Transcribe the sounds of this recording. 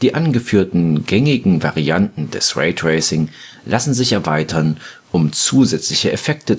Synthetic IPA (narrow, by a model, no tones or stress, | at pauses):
d̥iːʔanɡəfyːɐtn̩ɡɛŋɪɡŋ̩vaʁiantn̩d̥ɛ̰sʁḛɪtʁeɪsɪŋ | lʔasn̩zɪçɛɐvaɪtʰɐn | ʔʊmt͡suːzɛt͡slɪçəʔɛfɛk̚tə